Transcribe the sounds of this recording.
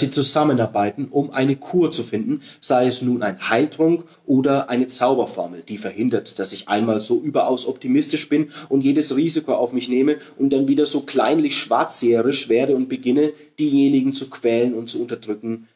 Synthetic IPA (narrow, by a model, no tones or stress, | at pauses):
z̥it͡suzamənaɐbaɪtn̩ʔʊmʔa̰ɪnəkʰuːɐt͡sufɪndn̩z̥aɪɛsnuːna̰ɪnhaɪltʁ̥ʊŋk | ʔoːdɐʔaɪnət͡saʊbɐfɔɐml̩d̥iːfɛɐhɪndɐtd̥asɪçʔa̰ɪnmaːlzoːʔyːbɐʔaʊsʔɔp̚timɪstɪʃb̥ɪnʔʊntjeːdəsʁiːzɪkʰoːʔaʊfmɪçneːməʔʊnt̚d̥anviːdɐzoːkl̥a̰ɪnlɪçʃv̥a̰ɐt͡seːəʁɪʃv̥eːɐɾəʊnt̚b̥əɡɪnə | d̥iːjeːnɪɡŋ̩t͡sukv̥ɛːlənʊntt͡suʊntɐd̥ʁʏkŋ̩